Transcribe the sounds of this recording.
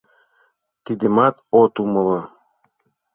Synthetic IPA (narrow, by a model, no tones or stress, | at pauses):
t̪id̪emɑt̪ot̪umɤ̆lɤ